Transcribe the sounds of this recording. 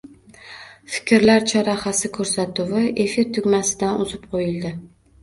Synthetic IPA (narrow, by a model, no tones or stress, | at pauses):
fɪ̥kʲʰɾlaɾt͡ʃʰaɾaχasɪkʰɵɾsat̪ʰʊwɪʔe̞fɪɾt̪ʰʊɡʲmasɪd̪anʔʊzɪp̚qʰojɪld̪ɪ